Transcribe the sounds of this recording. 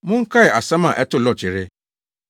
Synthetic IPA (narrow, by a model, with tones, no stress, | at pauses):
mʊ̃˦ŋ̩˦kʰa˦ɛ˨a˨sã˦mã˨ʔɛ˦tʊ˦lɔ˨t͡ɕʰɪ˨ɾɪ˦